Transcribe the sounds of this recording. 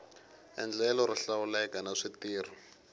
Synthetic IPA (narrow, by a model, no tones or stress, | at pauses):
ɛ̰nd͡ɮɛlɔriɬawulɛkanaʂitiːr̤ɔ